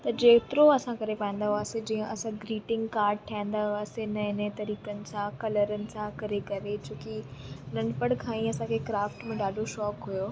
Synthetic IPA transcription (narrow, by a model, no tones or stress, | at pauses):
t̪ɐd͡ʑeːt̪ɪɾoɐsãkɐɾepaːə̃n̆d̪aɦuaːsed͡ʑĩːə̃ʔɐsãɡɾiːʈɪ̃ŋɡkaːɾɖ̚ʈʰaɪ̃n̆d̪aɦʊaːsenɐɦɪnət̪ɐɾiːkənɪ̆sãkɐləɾənɪ̆sãkɐɾekɐɾet͡ɕoːkiʊn̤ənɪ̆pɐɽkʰãːĩɐsãkʰeːkɾaːfʈmẽɗaːɗʱoʃɔːkɦujoː